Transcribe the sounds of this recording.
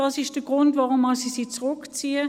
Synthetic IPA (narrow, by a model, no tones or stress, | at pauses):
d̥ɑsɪʃd̥əɡ̥ʁʊntvaʁʊmːɑsisiːt͡sʁʊkt͡siːə